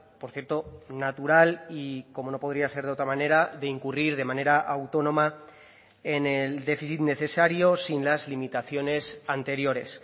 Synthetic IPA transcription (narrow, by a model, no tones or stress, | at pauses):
po̞ɾθjeɾt̪o̞nat̪uɾaliko̞mo̞no̞po̞ð̞ɾiase̞ɾðeo̞t̪ɾamane̞ɾaðe̞iŋkuriɾðe̞mãne̞ɾaʔawt̪o̞nõ̞ma | eneld̪e̞fiθit̪ne̞θe̞saɾjo̞sinlazlimit̪aθjo̞ne̞sant̪e̞ɾjo̞ɾe̞s